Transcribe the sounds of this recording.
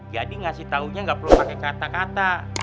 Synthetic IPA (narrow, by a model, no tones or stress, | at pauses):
d͡ʒadiŋasɪht̪auɲaŋɡapərlupakɛkat̪akat̪a